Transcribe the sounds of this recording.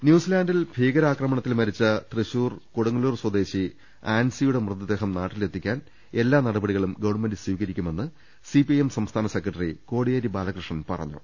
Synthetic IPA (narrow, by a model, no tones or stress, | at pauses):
njuːsilaːndilbʱiːɡɐɾaːkrɐmɐɳɐt̪ːilmɐɾit͡ɕːɐt̪rɨɕuːrkoɽuŋːɐluːrswɐd̪e̞ːɕi | aːnsijuɽe̞mrɨd̪ːɐd̪e̞ːɦɐmnaːʈːile̞t̪ʰːikʲːaːn | e̞lːaːnɐɽɐbɐɽiɣɐɭumɡɐʋɐɳme̞ndɨswiːkɐɾikʲːume̞nːɨ | sipijemsɐmst̪ʰaːnɐsekːrɐʈːɐriko̞ːɽijeːɾibaːlɐkrɨʂɳɐnpɐ̰rɐ̰ɲːṵ